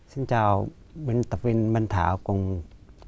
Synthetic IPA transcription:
si˧˥˨nt͡ɕaː˧˩w | be˧nt̪a˨˩p̚we˧nba˧nt̪ʰa̰ː˨˦wko˧ŋ

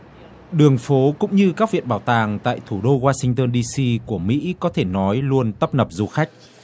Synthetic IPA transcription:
ɗɨ˨˩əŋfo˨˦kʊ̰˧˥ŋ͡mɲɨ˧kaː˦˥k̚vḭ˧˨ənɓaː˧˩wt̪aː˨˩ŋt̪a̰ː˧˨jt̪ʰu˧˩ɗo˧ɣwaː˧sï˧ŋt̪əː˧nɗi˧si˧ku˧˩əmḭ˧˥kɔ˨˦t̪ʰe˧˩nɔ˨˦jlu˧ənt̪ə˦˥p̚nə˨˩p̚zu˧xa˦˥jk̟̚

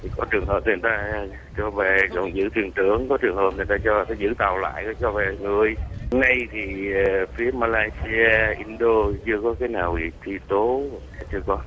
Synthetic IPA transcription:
t̪ʰi˨˩kɔ˨˦t͡ɕɨ˨˩əŋɦəː˨˩p̪̚ːjt̪aː˧ | t͡ɕɔ˧ve˨˩zə̰˧˨˩ŋ͡mzɨ̰˧˥t̪ʰwi˨˩əŋt̪ɨ˧˩əŋkɔ˨˦t͡ɕɨ˨˩əŋɦəː˨˩p̚ni˨˩t̪aː˧t͡ɕɔ˧a˨˩t̪a˨˦zɨ̰˧˥t̪a˨˩wla̰ː˧˨jkɔ˨˦t͡ɕɔ˧ve˨˩ŋɨ˨˩əjna˧jt̪ʰi˨˩˨fi˨˦əmaː˧laː˧jsi˧aː˧ʔi˧nɗo˧t͡ɕɨ˧əkɔ˨˦kaː˨˦jnaː˨˩wi˨˩t̪ʰi˧t̪o˨˦˨a˨˩t͡ɕɨ˧əkɔ˨˦

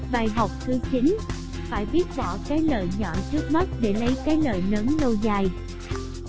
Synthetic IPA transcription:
ɓaː˨˩jɦə˨˩wk͡p̚t̪ʰɨ˨˦t͡ɕi˨˦n | faː˧˩jɓi˦˥ət̚ɓɔ̰˧˨kaː˨˦jləː˨˩jɲɔ̰˧˩˨t͡ɕɨ˦˥ək̚mə˦˥t̚ɗe˧˩lə˨˦jkaː˨˦jləː˨˩jnə˨˦nlo˧wzaː˨˩j

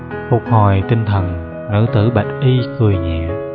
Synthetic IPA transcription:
fʊ˨˩k̚hɔ˨˩jt̪ï˧ŋt̪ʰə˨˩n | nɨ̰˧˥t̪ɨ˧˩ɓə˨˩jt̚ʔi˧kɨ˨˩əjɲɛ̰˧˨ə

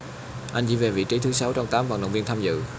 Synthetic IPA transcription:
ʔa˧jŋ̟t͡ɕḭ˧˥˦ve˨˩vḭ˧˨t͡ɕi˨˦t̪ʰɨ˨˦sa˨˦wt͡ɕɔ˧wŋ͡mt̪aː˨˦mva̰˧˨˩ŋɗə̰˧˨wŋ͡mvi˧ənt̪ʰaː˧mzɨ̰˧˨

